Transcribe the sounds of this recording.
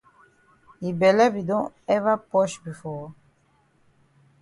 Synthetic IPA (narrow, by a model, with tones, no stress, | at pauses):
hi˨bɛ˨lɛ˦bi˨dõ˦nɛ˦va˦pɔ˦ʃbi˨fɔ˦